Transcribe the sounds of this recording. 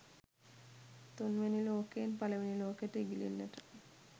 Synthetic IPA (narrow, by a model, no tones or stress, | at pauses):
t̪unʋeniloːkenpaleʋeniloːkeʈeɡilḭnːɛ̰ʈḁ